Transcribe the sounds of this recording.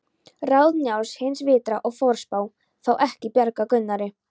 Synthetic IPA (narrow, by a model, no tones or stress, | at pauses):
raːwðnjawshejnsvɪːt̪ɾaʔɔɣfɔɾ̥spaw | θawʔɛhcɪpjɛɾkakʏnːaɾɪ